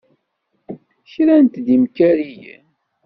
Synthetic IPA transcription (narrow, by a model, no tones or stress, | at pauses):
çɾænt̪d̪imkæɾijə̰n